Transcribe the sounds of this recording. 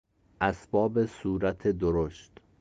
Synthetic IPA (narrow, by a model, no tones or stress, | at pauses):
ʔæsbɒːbesuːɾæt̪ʰed̪oɾoʃt̪